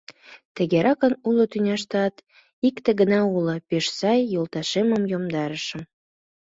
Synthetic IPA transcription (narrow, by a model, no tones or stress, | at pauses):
t̪ə̆ɣeɾʔɑkənulot̪ynʲɑʃt̪ɑt̪ | ikt̪ĕɡənɑulə̆peʃsɑjːolt̪ɑʃeməmjomd̪ɑɾəʃə̆m